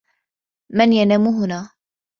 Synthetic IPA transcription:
manjanaːmʊɦʊnaː

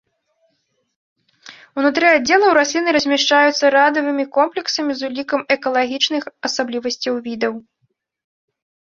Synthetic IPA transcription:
unut̪ɾɨad͡zʲːɛlˠɐwɾasʲlʲinɨɾɐzʲmʲɛʂt͡ʂajut̪sːɐɾad̪ɐvɨmʲikɔmplʲɛksɐmʲizulʲikɐmɛkɐlˠaɣʲit͡ʂnɨxɐsablʲivɐsʲt͡sʲɐwvʲid̪ɐw

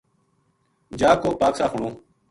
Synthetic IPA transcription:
d͡ʒaːkoːpaːksaːɦʊɳõː

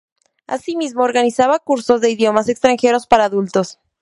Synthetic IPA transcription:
a̰simizmo̞ːɾɣanisaβakuɾso̞zðe̞iðjo̞mase̞kst̪ɾaŋxe̞ɾo̞spaɾaːðult̪o̞s

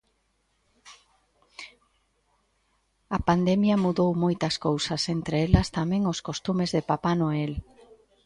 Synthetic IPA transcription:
ɐpand̪emjɐmuðowmojt̪ɐskowsɐsent̪ɾeelɐst̪amɛ̃ŋoskost̪umezðɪpapanoel

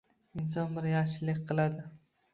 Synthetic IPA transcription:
ɪns̬ɒnbɪɾjaʃɪlɪkʲqʰɨlˠad̪ɪ

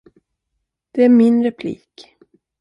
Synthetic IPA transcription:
d̪̥ɛæɾmɪnɾɛpʰlḭːk

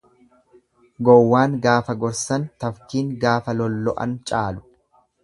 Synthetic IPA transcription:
ɡɔwːaːŋɡaːfɐɡɔɾsɐnt̪ɐfkiːŋɡaːfɐlɔlːɔʔɐ̰nt͡ʃʼaːlʊ̥

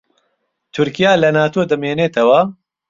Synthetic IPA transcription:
t̪ʰʊɾkijaːlɐnaːt̪ʰoːd̪ɐmeːneːt̪ʰɐwa

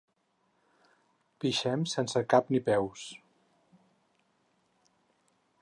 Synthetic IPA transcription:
piʃɛmsensəkapnipɛws

